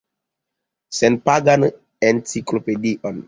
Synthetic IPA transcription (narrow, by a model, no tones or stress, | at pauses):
senpaɡan | ensiklopediʔon